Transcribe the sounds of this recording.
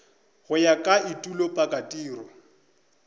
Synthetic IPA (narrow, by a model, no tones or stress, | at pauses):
ɣʊjakʼaitʼulopʼakʼatʼiːrɔ